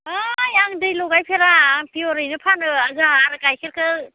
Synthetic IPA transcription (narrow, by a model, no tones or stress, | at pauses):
ajaŋdɯjlɔɡajpʰeɾapʰiɔɾɯjnɯpʰanɯazaːɾɯkajkʰeɾkʰɯ